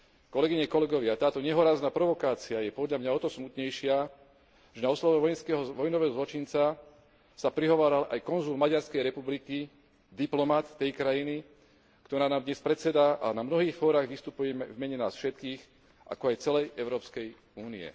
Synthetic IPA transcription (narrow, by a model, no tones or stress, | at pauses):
kɔlɛɡiɲɛkɔlɛɡɔʋɪat̪aːt̪ɔɲɛɦɔɾaːznaːpɾɔʋɔkaːt͡siajɛpɔd̪ʎamɲaɔt̪ɔsmut̪ɲɛjʃɪa | ʒɛnaɔslɔʋɛʋɔjɛnskɛːɦɔʋɔjnɔʋɛːɦɔzlɔt͡ʃint͡sa | sapɾiɦɔʋaːɾala̰jkɔnzulmaɟaɾskɛjɾɛpubliki | d̪iplɔmat̪ːɛjkɾajini | kt̪ɔɾaːnaːmd̪ɲɛspɾɛt̪sɛd̪aʔa̰namnɔɦiːxfɔːɾaːɣʋist̪upujɛmɛvmɛɲɛna̰ːsfʃɛt̪kiːx | ʔa̰kɔajt͡sɛlɛjɛʊɾɔːpskɛj | uːniɛ̰